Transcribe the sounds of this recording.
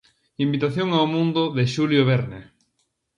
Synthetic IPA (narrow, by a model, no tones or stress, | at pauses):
imbit̪aθjoŋaomũnd̪ʊðeʃuljoβeɾne